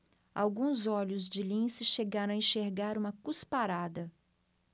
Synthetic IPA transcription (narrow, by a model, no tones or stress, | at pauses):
a̰wɡũzɔʎʊzd͡ʒɪlĩsɪʃeɡaɾɐ̃w̃ẽʃeɾɡaɾũmɐkuspaɾad̪ɐ